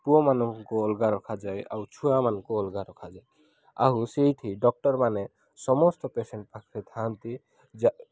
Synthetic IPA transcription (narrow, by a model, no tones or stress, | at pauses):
puɔmanɔŋkɔːlɡaɾɔkʰad͡ʒaja̰wt͡ʃʰuamanɔŋkɔɔlɡaɾɔkʰad͡ʒaj | a̰ɦusejʈʰiɖɔk̚ʈɔɾmanɛ | sɔmɔstɔpeseɳʈ̚pakʰɾet̪ʰant̪i | d͡ʒa